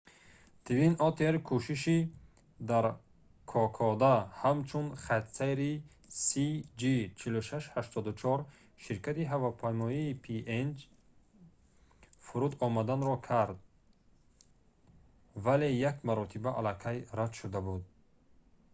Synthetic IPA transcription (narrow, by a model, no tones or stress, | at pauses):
t̪ivinɔt̪ʰeɾkʰuʃiʃi | d̪aɾ | kʰɔkʰɔd̪ahamt͡ʃʰunχat̪sajɾi | sid͡ʒit͡ʃʰiluʃaʃhaʃt̪ʰɔd̪ut͡ʃʰɔɾ | ʃiɾkʰat̪iɦavapʰajmɔiːpʰiend͡ʒ | fuɾud̪ɔmad̪anɾɔkʰaɾd̪̚ | vale̞jakmaɾɔt̪ʰibaʔalakʰajɾad̪ʃud̪abud̪̚